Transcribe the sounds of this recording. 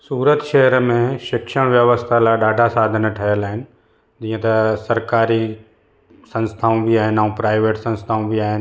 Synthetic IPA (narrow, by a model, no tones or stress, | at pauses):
suːɾət̪ʃɛɦəɾmẽʃɪkʃəɽ̃ʋjɐʋəst̪ʰalaɗaːɖʱasaːd̪ʱənʈʰɐɦəlaːɦɪnɪ̆ | d͡ʒĩːə̃t̪ɐsɐɾkaːɾi | sɐ̃nst̪ʰaːõbʱiaːɦɪnaũpɾaːɪʋeːʈsɐ̃nst̪ʰaːõbʱiaːɦɪn